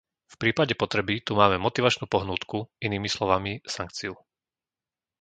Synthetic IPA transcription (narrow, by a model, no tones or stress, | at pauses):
fpɾiːpaɟɛpɔt̪ɾɛbit̪umaːmɛmɔt̪iʋat͡ʃnuːpɔɦnuːt̪kuiniːmislɔʋamisaŋk̚t͡siu